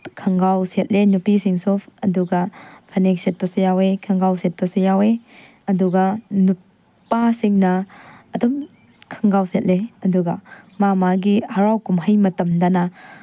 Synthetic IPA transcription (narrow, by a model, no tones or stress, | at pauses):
kʰɐŋɡawset̚lenupisiŋsɔpʰɐduɡɐpʰanek̚set̚pɐsujawekʰɐŋɡawset̚pɐsujawe | ɐduɡɐnu | pːasiŋnɐːdum | kʰɐŋɡawset̚leɐduɡɐmamaɡihɐɾawkumɦɐjmɐtɐmdanɐ